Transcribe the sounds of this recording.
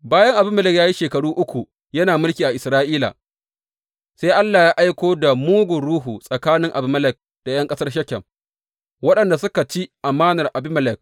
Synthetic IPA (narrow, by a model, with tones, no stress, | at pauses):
baː˦jɐ˦ŋʔa˨bɪ˦mːɐ˦lɪ˨kjaː˦ji˦ʃeː˨kɐ˨ɽuː˦ʔʊ˦kʷu˨ | jɐ˦naː˨mʊ˦lkʲiː˨ʔa˨ʔɪ˨sɾaː˦ʔiː˦la̰ː˨ | se˦ʔa˦lːaː˨jaː˦ʔa˦jkʷoː˦da˨muː˦ɡʊ˨ɾuː˦ɦu˨sʼɐ˨kaː˦nɪ˦ŋʔa˨bɪ˨mɐ˦lɪ˨k̚ | d̥a˨jɐ˦ŋkʼɐ˦sɐ˦rʃ̬ɐ˦kʲɛ˨m | wɐ˦ɗɐ˨nda˨sʊ˦ka˨t͡ʃi˦ʔa˨maː˦nɐ˨rʔa˨bɪ˦mɐ˦lɪ˨k̚